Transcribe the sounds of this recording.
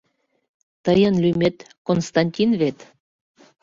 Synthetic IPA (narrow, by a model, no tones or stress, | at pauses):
t̪əjənlʲymet̪ | konst̪ɑnʲtʲinvet̪